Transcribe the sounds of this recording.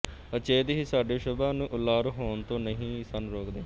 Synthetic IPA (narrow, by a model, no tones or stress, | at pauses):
ət͡ʃeːd̪ɦiːsaːɖeːʃʊbãːnũːʔʊlːaːɾɦoːnt̪õːnəɦĩːsənɾoːkd̪eː